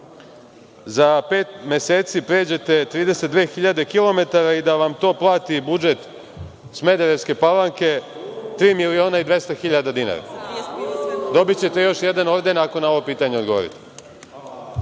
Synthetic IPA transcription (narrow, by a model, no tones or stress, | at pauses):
zape̞ːt̪me̞se̞ːt̪sipɾe̞ːd͡ʑe̞t̪e̞t̪ɾiːd̪e̞set̪̚d̪ʋe̞ːxiʎad̪e̞kilo̞me̞t̪aɾaid̪aʋamt̪o̞ːplˠaːt̪ibud͡ʒe̞t̪ | sme̞d̪eɾe̞ʋske̞palaŋke̞ | t̪ɾiːmilio̞ːnaid̪ʋe̞st̪axiʎad̪ad̪ina̰ɾa̰ | d̪o̞bit͡ɕe̞t̪e̞jo̞ʃje̞d̪ano̞ʋd̪e̞nako̞nao̞ʋopiːt̪aɲeod̪ɡoʋo̰ɾḭt̪e̥